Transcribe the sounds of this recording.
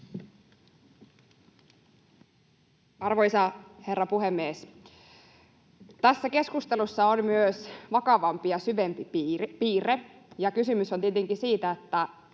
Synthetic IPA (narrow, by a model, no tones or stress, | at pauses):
ɑrʋojsɑhe̞rːɑpuɦemːieːs | t̪æsːæke̞skust̪e̞lusːɑonmyøsʋɑkɑʋɑmpijɑsyʋe̞mpipiːre | jɑkysymysont̪iet̪eŋkisiːt̪æet̪ːæ